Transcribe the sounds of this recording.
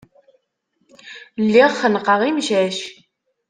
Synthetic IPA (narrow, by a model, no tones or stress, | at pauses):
lːiʁχənqɑʁimʒæʃ